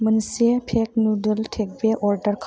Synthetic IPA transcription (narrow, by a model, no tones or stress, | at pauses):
mənsepʰek̚nuɖəlʈʰek̚beʔɔɾɖəɾkʰ